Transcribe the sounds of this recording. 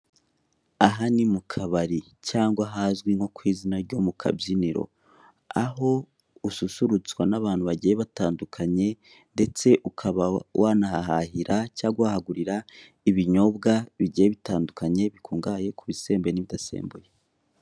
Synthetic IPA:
aɦanimukʰaβaɾi | caːŋɡwaɦazɡwiŋho̞kwiːzinaɾɟo̞mukʰa̰biniɾo̞̰ | a̰ɦo̞ | ususuɾut͡swanaβaːn̥huβaɟijeβataːndukʰaɲe̞ | nde̞t͡se̞ʔukʰaβawʔanaɦaɦahiɾacaːɡwahaɡuɾiɾa | iβiɲo̞bɡaβiɟijeβitaːndukaɲe̞βikʰuːŋɡaje̞kuβise̞ːmbe̞niβidasḛːmbuje

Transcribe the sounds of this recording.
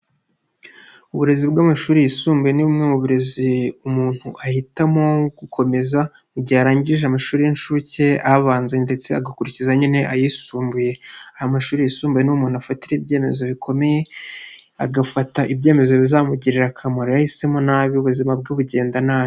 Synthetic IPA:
uβuɾe̞zibɡamaʃuːɾijisuːmbeniβumŋemuβuɾe̞ziumuːn̥huʔahitamo̞ɡukʰo̞me̞za | uɟaːɾaːɲɟiʒeamaʃuːɾijinʃuceaβaːnzende̞t͡se̞a̰ɡakuɾicizaɲine̞ʔajisuːmbuje̞ahamaʃuːɾijisuːmbwenumuːnuafatiɾeibje̞ːme̞zo̞βikʰo̞me̞je̞ | a̰ɡafataʔibɟe̞ːme̞zo̞βizaːmuɟiɾiɾakʰamoɾoahise̞mo̞naːβiuβuzimab̚ɡuβuɟe̞ːndanaːβi

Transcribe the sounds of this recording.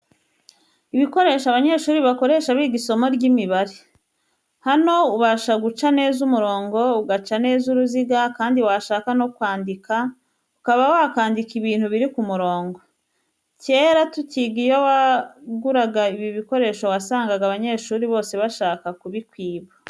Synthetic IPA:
iβiko̞ɾe̞ːʃoaβaɲe̞ːʃuːɾiβako̞ɾe̞ːʃaβiːɡiso̞mo̞ɾɟimiβaɾe | hano̞uβaːʃaɡut͡ʃane̞ːzumuɾo̞ːŋɡo̞uɡat͡ʃane̞ːzuɾuziɡakaːndiwaʃaːkano̞kwaːndika | ukaβawoakaːndikiβiːn̥huβiɾikumuɾo̞ːŋɡo̞ | ce̞ːɾatutiɡijowaɡuɾaɡaiβiβiko̞ɾe̞ːʃowasaːŋɡaɡaβaɲe̞ːʃuːɾiβo̞ːse̞βaʃaːkakuβikwiːβa

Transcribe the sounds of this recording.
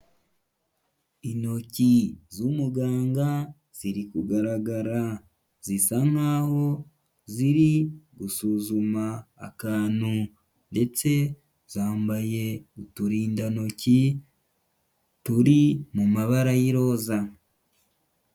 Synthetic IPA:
ino̞cizumuɡaːŋɡa | z̥iɾikuɡaɾaɡaɾa | z̥isaŋaːho̞ | ziɾiɡusuzuma̰ːkaːnu | nde̞t͡se̞ | z̥aːmbaje̞utuɾiːndano̞ci | tuɾimumaβaɾajiɾo̞ːza

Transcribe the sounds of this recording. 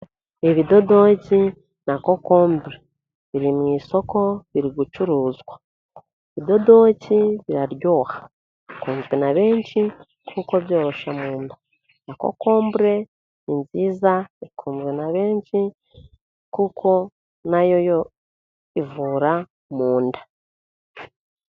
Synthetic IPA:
eβid̪o̞do̞ci | nako̞ko̞ːmbɾe | βiɾimŋiːso̞ko̞βiɾiɡut͡ʃuɾuːzɡwa | eβid̪o̞do̞ːciβiɾaɾjo̞ːhḁ | ikuːnzɡenaβeːnt͡ʃi | kʰuko̞βjo̞ːɾo̞ʃamuːndḁ | nako̰ko̞ːmbɾe̞ | ninziːzaikʰuːmzɡenaβe̞ːnt͡ʃi | kukʰo̞ | najo̞jo | ivuːɾa | muːndḁ

